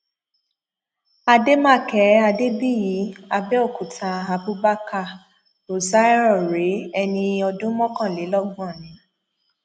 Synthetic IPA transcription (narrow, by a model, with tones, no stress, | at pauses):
a˧de˦mã˦˨kɛ˨˦a˧de˦bi˦˨ji˨˦a˧bɛ˦ɔ˦˨ku˨tʰa˧a˧bu˦ba˦ka˦˨ | o˨sa˦ɾɔ˦˨ɾe˨˦ɛ˧nĩ˧ɔ˧dũ˦mɔ̃˦kã˦˨le˨˦lɔ˦ɡ̃ɔ˦˨nĩ˨˦